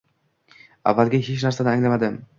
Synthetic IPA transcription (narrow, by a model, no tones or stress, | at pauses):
a̰vːalɡʲahet͡ʃnaɾsanɪaŋlamad̪ɪm